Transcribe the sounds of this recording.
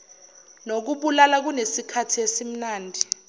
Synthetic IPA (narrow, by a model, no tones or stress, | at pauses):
nok̬uɓulalak̬unesikʰatʰiesim̩naːndʱi